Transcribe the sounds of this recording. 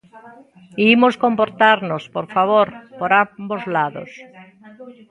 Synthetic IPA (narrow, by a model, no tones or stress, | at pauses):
imoskompoɾt̪aɾnospoɾfaβ̞oɾpoɾambozlaðo̰s